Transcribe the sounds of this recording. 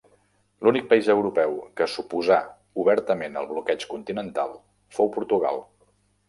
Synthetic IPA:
lunik̚pəizəwɾupɛwkəsupuza | uβɛɾt̪əmenə̰lˠβlukɛt͡ʃkunt̪inənt̪a̰lˠ | fowpuɾt̪uɣa̰lˠ

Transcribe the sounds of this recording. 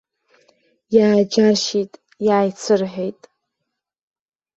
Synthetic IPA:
jaːd͡ʒaʃitʼ | jaːjt͡sʰɨrħʷejtʼ

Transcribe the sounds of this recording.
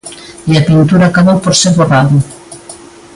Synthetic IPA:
iapint̪uɾakaβowpoɾseβoraðʊ

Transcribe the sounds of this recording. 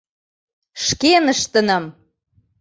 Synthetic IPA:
ʃkenəʃt̪ə̆nə̆m

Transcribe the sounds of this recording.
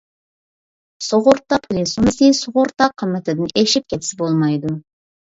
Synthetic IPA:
soʁoɾt̪ːɑpʰʊlʲisumɪsesoʁoɾt̪ːɑqʰːəmət̪ɪd̪əneʃɪp̚kʲʰet̪ɪsɪbolˠmɑjd̪ʊ

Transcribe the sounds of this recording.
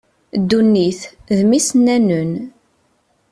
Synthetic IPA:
d̪ːunːiθðmisnænən

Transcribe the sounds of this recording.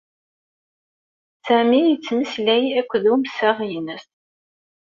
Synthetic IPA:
sæmijət͡sːməslæjækʷːðuməsæʁjnəst

